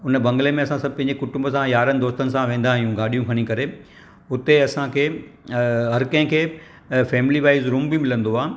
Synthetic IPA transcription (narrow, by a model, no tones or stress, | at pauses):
ʊnəbɐ̃ŋɡəlemẽɐsãsɐbʱpɐ̃ɦɲd͡ʑekʊʈʊ̃mbəsãjaːɾənɪd̪oːst̪ənɪ̆sãʋẽːn̆d̪aːɦijũɡaːɗijũkʰɐɽ̃ĩkɐɾe | ʊt̪eɐsãkʰeː | ɦɐɾkɐ̃ɦɪ̃kʰeː | fɛːmɪliʋaːɪzɾũːmbɪmɪlə̃nd̪oaː